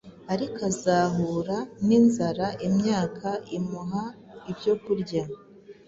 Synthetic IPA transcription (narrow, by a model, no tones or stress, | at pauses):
aɾikazaːɦuːɾaninzaɾaʔimɲaːkʰaimuɦa | ibjo̞kuɾɟa